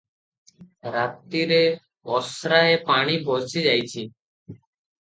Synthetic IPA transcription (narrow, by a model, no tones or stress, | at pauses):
ɾat̪ːiɾe | ɔsɾaepaɽ̃ibɔsid͡ʒajt͡ʃʰi